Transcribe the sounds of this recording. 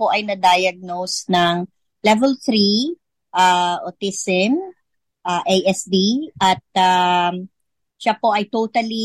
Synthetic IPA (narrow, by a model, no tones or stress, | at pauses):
poʔɐjnɐd̪aːjɐɡ̚nowsnɐŋ | lɛvɛlθɾi | ʔaʔot̪isɛn | ʔaʔejʔɛsd̪iʔɐt̪̚a | ʃapo̞ʔɐjt̪owt̪ɐli